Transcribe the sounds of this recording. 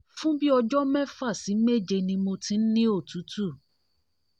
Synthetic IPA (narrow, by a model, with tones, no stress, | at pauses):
fũ˦bi˦ɔ˧d͡ʒɔ˦mɛ̃˦˨fa˦˨si˨˦me˦˨d͡ʒe˧nĩ˧mo˧tĩ˦n̩˦nĩ˦o˦˨tu˨˦tu˦˨